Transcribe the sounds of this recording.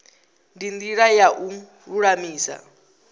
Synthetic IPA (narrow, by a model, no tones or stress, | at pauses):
ndindiɺajaʔu | uɺamiːsa̰